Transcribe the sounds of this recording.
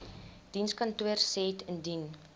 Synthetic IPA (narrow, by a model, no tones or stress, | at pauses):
d̥inskɐntuərsɛtʰəndin